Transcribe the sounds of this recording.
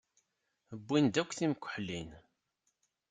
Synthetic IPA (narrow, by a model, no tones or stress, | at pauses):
əbːind̪ækʷːθimkʷːə̥ħlin